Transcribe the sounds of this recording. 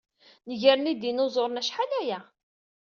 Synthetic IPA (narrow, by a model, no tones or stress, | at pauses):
nəʝəɾnid̪inozˤoɾˤnæʃħalæjæ